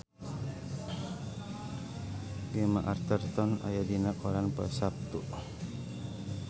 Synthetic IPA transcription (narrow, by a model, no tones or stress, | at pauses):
ɡema̰ʔart̪ərt̪ɔna̰jadinakɔɾanpəsap̚t̪uʔ